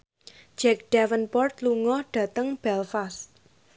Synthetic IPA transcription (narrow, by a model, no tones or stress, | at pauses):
d͡ʒ̥ɛk̚ɖ̥ɛwənpɔrt̪luŋɔhɖ̥ä̤t̪əŋb̥ɛlfas